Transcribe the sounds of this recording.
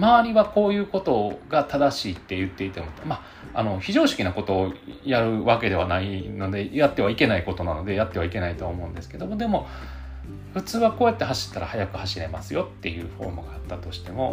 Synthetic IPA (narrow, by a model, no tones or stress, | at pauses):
maβaɾʲiβako̞ːjɯ̟ːko̞t̪o̞ɡat̪ad̪aɕiːt̪ːe̞jɯ̟t̪ːeit̪e̞mot̪ːema | a̰no̞çiʑo̞ːɕi̥kʲinako̞t̪o̞ːjaɾɯ̟βake̞d̪e̞βanaino̞d̪e̞jat̪ːe̞β̞aike̞naiko̞t̪o̞nano̞d̪e̞jat̪ːe̞βaike̞nait̪o̞aːmo̞ɯ̟̃nd̪esɨ̥ke̞d̪o̞mo̞d̪e̞mo̞ | ɸɯ̟t͡sɨːβakoːjat̪ːe̞ɦaɕi̥t̪ːaɾa̰hajakɯ̟haɕiɾe̞masɨjo̞t̪ːe̞jɯ̟̰ːɸo̞̰ːmɯ̟ɡaːt̪ːat̪o̞ɕi̥t̪e̞mo̞